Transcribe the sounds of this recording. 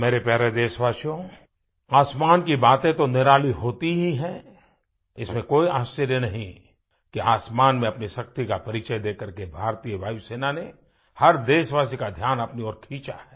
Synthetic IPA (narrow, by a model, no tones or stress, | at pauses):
meːɾepjɛːɾed̪eːʃʋaːsijõ | aːsmaːnkibaːt̪ẽt̪onɪɾaːliɦoːt̪iɦiɦɛ̃ | ɪsmẽkoːiaːst͡ʃəɾjənɐɦĩ | kiaːsmaːnmẽɐpniʃɐk̚t̪ikapɐɾit͡ʃəjd̪eːkəɾkebʱaːɾt̪iːjəbʱaːiseːnane | hɐɾd̪eːʃʋaːsikad̪ʱjaːnɐpniɔːɾkʰiːt͡ʃa̰ɦɛː